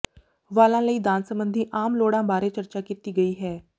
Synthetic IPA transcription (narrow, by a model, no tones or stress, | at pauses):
ʋaːlãːləiːd̪aːnsəmbənd̪ʱiːʔaːmloːɽãːbaːɾeːt͡ʃəɾt͡ʃaːkiːt̪iːɡəiːɦɛː